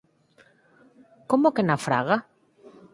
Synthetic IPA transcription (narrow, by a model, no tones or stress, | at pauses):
komokenafɾa̰ɣa